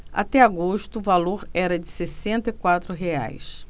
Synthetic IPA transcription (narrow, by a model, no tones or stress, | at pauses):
a̰t̪ɛaɡoʃt̪ʊvaloɾɛɾɐd͡ʒɪsesẽnt̪ɐikwat̪ɾʊɦea̰js